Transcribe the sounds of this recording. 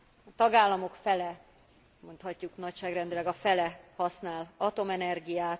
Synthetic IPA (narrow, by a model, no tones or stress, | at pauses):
t̪ɒɡaːlːɒmo̞kfɛlɛ | mo̞nt̪hɒcːuknɒcʃaːɡrɛnd̪ilɛɡɒfɛlɛhɒsnaːlɒt̪o̞mɛnɛrɡijaːt̪